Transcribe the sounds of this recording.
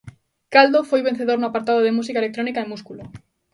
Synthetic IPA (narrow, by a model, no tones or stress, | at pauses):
kald̪ofojβen̟θeðoɾnoapaɾt̪aðoðemus̬ikaelek̚t̪ɾonikaemuskulo